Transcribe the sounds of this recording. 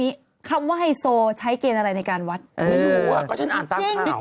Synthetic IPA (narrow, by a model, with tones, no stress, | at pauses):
iː˦˥ | kʰa˧mwaː˥˩ɦa˥˩jsoː˧t͡ɕʰa˦˥jkeː˧nʔa˧ɾa˧jna˧jkaː˧nwa˦˥t̪̚ʔɤɯː˧˨˩a˨˩kɔː˥˩t͡ɕʰa˦˥nʔa˦˧t͡ɕi˧ŋː˧